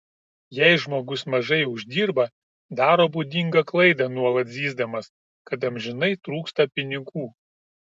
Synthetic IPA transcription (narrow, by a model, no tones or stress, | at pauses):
jɛɪʒmoːɡʊsmɐʒɐɪʊʒʲd̪ʲiːɾbɐ | d̪ɑːɾoːbud̪ʲɪŋɡɐklˠɐɪd̪ɐnuɔlˠɐt̪zʲiːzd̪ɐmɐs | kɐt̪ɐmʲʒʲɪnɐɪt̪ɾuːkst̪ɐpʲɪnʲɪɡuː